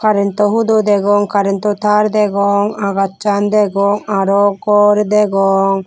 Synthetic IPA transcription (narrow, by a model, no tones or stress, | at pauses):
kaɾɛnt̪ɔɦud̪ud̪ɛɡɔŋkaɾɛnt̪ɔt̪aɾd̪ɛɡɔŋaɡatt͡ʃand̪ɛɡɔŋaɾɔkɔɾd̪ɛɡɔŋ